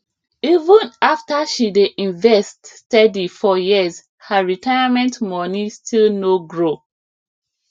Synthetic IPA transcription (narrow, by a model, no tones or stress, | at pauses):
ivə̃naftaʃideʔĩɱvɛststɛdifɔjiz | həɹitaɪjamɛ̃ntmɔnistʰilnoɡɹo